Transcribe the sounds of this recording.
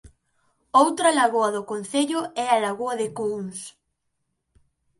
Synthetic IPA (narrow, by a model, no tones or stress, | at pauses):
owt̪ɾɐlaɣoɐðʊkon̟θeʎʊɛɐlaɣoɐðɪkoŋs